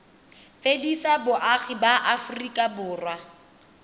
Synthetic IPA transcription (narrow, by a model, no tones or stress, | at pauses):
fedisabʊʔaχibaʔafʊrikʼabʊːrwa